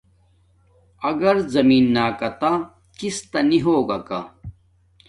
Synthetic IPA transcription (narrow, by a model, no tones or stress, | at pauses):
ɐɡɐɾzɐmiːnːaːkɐt̪a | kist̪ɐniɦoːɡaka